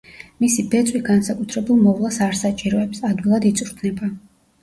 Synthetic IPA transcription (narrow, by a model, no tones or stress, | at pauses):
misibɛt̪sʼwiɡansakʼut̪ʰɾɛbulˠmɔvlˠasaɾsat͡ʃʼiɾɔɛpsad̪wilˠad̪it̪sʼuɾt̪ʰnɛba